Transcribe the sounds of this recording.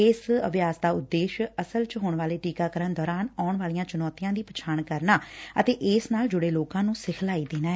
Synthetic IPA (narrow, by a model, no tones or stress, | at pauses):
ɪsə̰bjaːsd̪aːʊd̪ːeːʃəsəlt͡ʃɦoːɳʋaːleːʈiːkaːkəɾənd̪ɔːɾaːnaːʊɳʋaːlijãːt͡ʃʊnɔːt̪ijãːd̪iːpət͡ʃʰaːɳkəɾnaːə̰t̪eːʔɪsnaːld͡ʒʊɽeːloːkãːnũːsɪkʰlaːiːd̪eːnaːɦɛ